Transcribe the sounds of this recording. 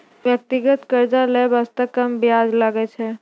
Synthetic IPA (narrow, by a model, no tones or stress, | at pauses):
ʋjək̚t̪iɡət̪kəɾd͡ʒalebəst̪əkəmbijad͡ʒlaɡɛt͡ʃʰɛ